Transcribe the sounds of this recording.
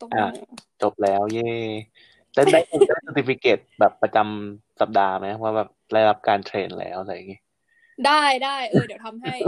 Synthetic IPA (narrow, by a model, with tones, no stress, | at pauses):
ʔaː˨˩t͡ɕo˨˩p̚lɛː˦˥wjeː˥˩ | lɛ˥˩da˥˩jdaː˥˩jsi˧t̪ʰːi˧˩fi˦˥keː˨˩t̪̚bɛː˨˩pːɾa˧t͡ɕa˧msa˨˩p̚daː˧ma˦˥jka˧˦wa˥˩bɛː˨˩p̚da˥˩jɾa˦˥p̚kaː˧nt̪ʰɾeː˧nlɛ̰ː˦˥wʔla˧ja˨˩ŋi˦˥ | daː˥˩jdaː˥˩jdi˨˦t̪ʰa˧mɦj